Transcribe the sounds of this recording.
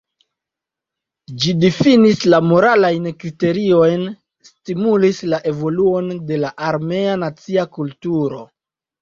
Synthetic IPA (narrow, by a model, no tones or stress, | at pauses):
d͡ʒidifinislamo̞ɾalajnkɾite̞ɾio̞jn | stimulislaʔe̞vo̞luo̞nde̞laʔaɾme̞anat͡siakultuɾo̞̰